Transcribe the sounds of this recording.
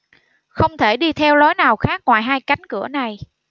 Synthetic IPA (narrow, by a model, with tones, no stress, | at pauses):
xə˧wŋ͡mt̪ʰe˧˩ɗi˧t̪ʰɛ˧wlɔ˨˦jnaː˨˩wxaː˦˥k̚ŋwa̰ː˨˩jɦaː˧jka˨˦jŋ̟kɨ˧˩əna˨˩j